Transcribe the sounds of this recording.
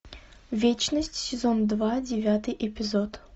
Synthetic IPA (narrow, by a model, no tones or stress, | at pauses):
vʲet͡ɕnəsʲtʲsʲɪzond̪vadʲɪvʲat̪ɨjʔɪpʲɪzot̪